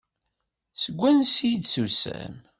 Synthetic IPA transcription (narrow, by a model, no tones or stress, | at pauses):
səɡʷːænsjid̪susæ̰m